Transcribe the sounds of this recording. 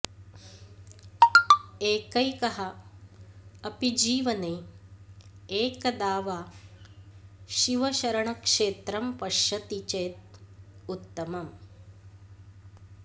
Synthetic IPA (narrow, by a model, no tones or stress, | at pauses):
eːkɐjkɐɦɐ | ɐpid͡ʒiːʋɐneː | eːkɐd̪aːʋaː | ʃiʋɐʃɐɾɐɳɐkʂeːt̪ɾɐmpɐʃɐt̪it͡ʃeːt̪̚ut̪ːɐmɐm